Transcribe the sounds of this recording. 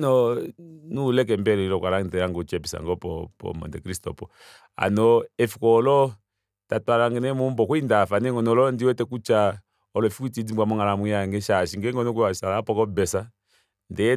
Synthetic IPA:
nɔnulɛk̬ɛmbɛɾɛilɔkwalaŋtɛjaŋɡɔt͡ʃɛpisa̰ŋɡɔpɔ̰pɔ̰mɔ̰ndɛkɾistɔ̰pɔ | a̰nɔɛfikɔːlɔ | tatalaŋɡɛnɛmɔmbɔkuindafanɛŋɡɔnɔlɔndiwɛtɛkut͡ʃa | ɔlɔɛfikuitid͡zimɡwamɔŋalamuaŋɡɛʃaʃiŋɡɛŋɡɔnɔk̬ɛasalapɔkɔbɛsa | ndɛɛ

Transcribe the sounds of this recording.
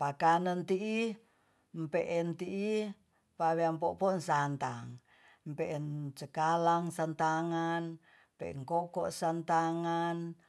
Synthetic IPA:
pakanənt̪iʔi | mpɛʔɛnt̪iʔi | paβeampɔpɔnsant̪aŋ | mpɛʔɛnt͡ʃəkalaŋsant̪aŋan | mpɛ̰ʔɛ̰ŋkokɔʔsant̪aŋan

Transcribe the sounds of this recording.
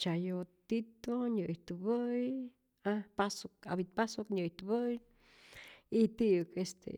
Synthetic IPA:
t͡ʃajot̪it̪oɲʲɨjt̪ɨbɨj | apasok̚a̰bit̪̚pasokɲʲɨjt̪ɨbɨj | it̪iɨkest̪ḛ

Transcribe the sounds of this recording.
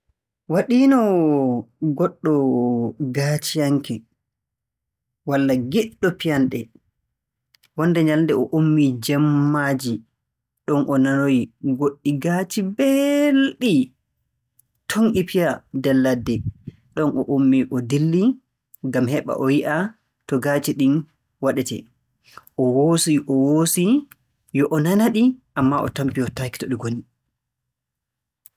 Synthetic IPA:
waɗiːnɔ | ɡɔɗːɔ | ɡat͡ʃijaŋkɛ | walːaɡɛɗːɔpijanɗɛ | wɔndɛɲalndɛɔʔomːid͡ʒɛmːad͡ʒi | ɗɔnʔɔnanojɡoɗːiɡaːt͡ʃibɛlɗi | tʰoŋʔipijadɛlːadːɛ | ɗɔnʔɔʔomːiʔɔdilːi | ŋɡamhɛɓa̰ʔɔwiʔa | tɔɡat͡ʃiɗin | waɗɛtɛ̰ | ʔɔwosiʔɔwosi | jɔʔɔnanaɗiʔamːaʔɔ̰tampiɔtaki̥tɔɗiɡoni

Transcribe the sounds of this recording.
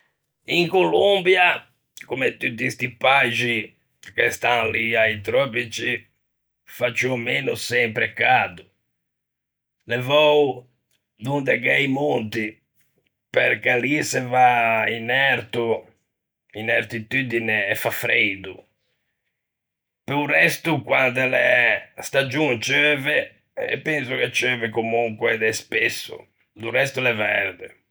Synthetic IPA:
iŋkolombja | komɛt̪ːut̪̬ːist̪ipad͡ʒi | kest̪anliajt̪ɾɔpit͡ʃi | fat͡ʃːumenusɛmpɾɛkad̪u | lɛvɔw | d̪und̪ɛkɛjmont̪i | peɾkɛlisɛvainɛɾt̪u | inɛɾt̪it̪yd̪inɛɛfafɾed̪ṵ | pɛurɛst̪ukwand̪ɛlɛst̪ad͡ʒunt͡ʃøːvɛ | ɛpːɛnsukɛt͡ʃøːvɛkomuŋkwɛd̪ɛspesːṵ | d̪urɛst̪ulɛvɛɾd̪ɛ

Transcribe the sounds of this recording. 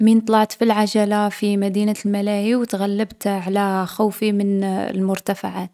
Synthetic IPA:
miːnt̪ˤlɑʕt̪filʕaʒalafimad̪iːnalmalaːhiwt̪ɣalːabt̪ʕalaxuːfimɪn̰lmʊɾt̪afaʕat̪

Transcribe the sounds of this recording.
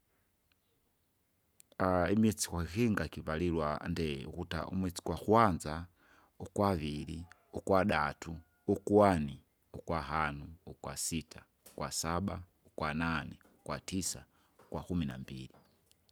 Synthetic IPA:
aimɛt͡si̥kwaixiŋɡakiβalilwa̰ndɛ̰ṵkuta̰ʔṵmwɛt͡si̥kwaxuanza | ukwaβili | ukwaɗatu | ukuwani | ukwaɦanuukwa̰sitʰḁ | ukwasaɓa | ukwananɛ | ukwatisa | ukwakumina̰mbḭli

